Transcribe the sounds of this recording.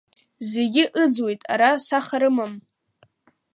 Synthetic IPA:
zeɡʲɪʔɨd͡zwe̞jtʼa̰ɾasaχaɾɨmɨm

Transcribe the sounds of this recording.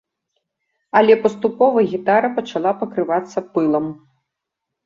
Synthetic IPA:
ɐlʲɛpɐst̪upɔvɐɣʲit̪aɾɐpɐt͡ʂalˠapɐkɾɨvat̪sːɐpɨlˠɐm

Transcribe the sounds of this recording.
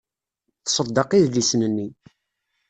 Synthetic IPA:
θsˤəd̪ːɑqiððisnənːi

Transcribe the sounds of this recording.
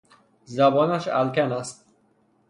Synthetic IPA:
zæbɒːnæʃæ̰lkʲænæst̪̚

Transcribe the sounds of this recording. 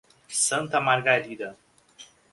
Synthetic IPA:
sɐ̃nt̪ɐmaɾɡaɾid̪ɐ

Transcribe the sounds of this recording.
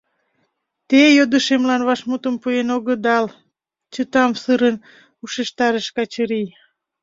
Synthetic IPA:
t̪ejod̪əʃemlɑnβɑʃmut̪əmpuenoɣəd̪ɑl | t͡ɕət̪ɑmsɨɾən | uʃeʃt̪ɑɾəʃkɑt͡ɕəɾij

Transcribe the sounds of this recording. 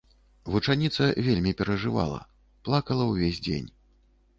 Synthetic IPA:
vut͡ʂanʲit̪sɐvʲelʲmʲipʲɛɾɐʐɨva̰lˠɐ̰ | plˠakɐlˠɐwvʲezʲd͡zʲḛnʲ

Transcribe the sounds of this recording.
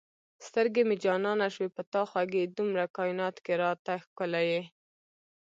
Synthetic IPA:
st̪əɾɡemed͡ʒɑnɑnaʃwepət̪ɑxwaɡed̪umɾakɑjinɑt̪keɾɑt̪axkəlaje

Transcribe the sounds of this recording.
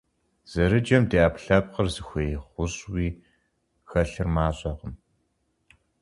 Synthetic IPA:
z̥ɐɾɨd͡ʒɐmdeːaːpɬɐp̚qərzɨxʷejχʷʊɕʼwiː | xɐɬɨrmaːɕʼɐʁəm

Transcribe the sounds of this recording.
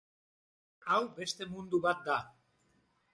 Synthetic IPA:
awbe̞st̪e̞mund̪uβat̪̚d̪a

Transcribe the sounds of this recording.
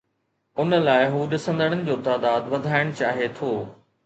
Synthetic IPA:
ʊnəlaːɪɦuːɗɪsə̃nd̪əɽ̃ənɪ̆d͡ʑoːt̪aːd̪aːd̪ʋɐd̪ʱaːɪɽ̃t͡ɕaːɦet̪ʰoː

